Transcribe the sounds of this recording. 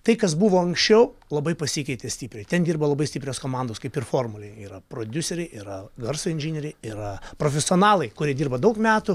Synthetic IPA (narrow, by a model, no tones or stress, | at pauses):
t̪ɐɪkɐs̬buʋoːɐŋksʲt͡ʃʲɛʊlˠɐbɐɪpɐsʲikʲɐɪt̪ʲesʲt̪ʲiːpʲɾʲɛɪt̪ʲɛnd̪ʲiːrbɐlˠɐbɐɪsʲt̪ʲiːpʲɾʲoːskoːmɑnd̪oːskɐɪpɪrfoːrmʊlʲɛɪiːɾɐpɾoːd̪ʲʊsʲɛɾʲɛɪʔiːɾɐɡɐrsɐɪnʲʒʲinʲɛɾʲɛɪɪɾɐpɾoːfʲɛsʲɪoːnɑːlˠɐɪkʊɾʲiɛd̪ʲiːrbɐd̪ɐʊkmʲæːt̪ʊ